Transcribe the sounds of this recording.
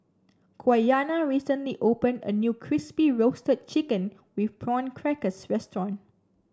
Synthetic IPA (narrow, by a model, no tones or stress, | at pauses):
kʰwajanaɹisə̃nliʔopə̃ndə̰njukʰɹispiɹostət̚t͡ʃikə̃n | wifpɹɔ̃nkʰɹɛkəsɹɛstɹɔ̃n